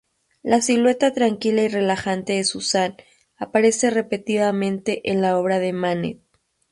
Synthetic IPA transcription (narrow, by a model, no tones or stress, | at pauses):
lasilwe̞t̪at̪ɾaŋkilaire̞laxant̪e̞ðe̞susan | apaɾe̞se̞re̞pe̞t̪iβamẽ̞nt̪e̞ʔenlao̞β̞ɾaðemanḛt̪̚